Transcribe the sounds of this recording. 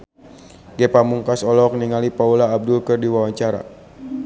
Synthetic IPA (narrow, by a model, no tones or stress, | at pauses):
ɡɛpamuŋkasɔlɔk̚niŋalipaulaːb̚dʊlkɨrdiwawaɲt͡ʃaɾa̰